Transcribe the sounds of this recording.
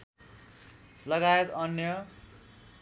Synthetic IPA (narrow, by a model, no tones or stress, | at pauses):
lʌɡaet̪ʌnjʌ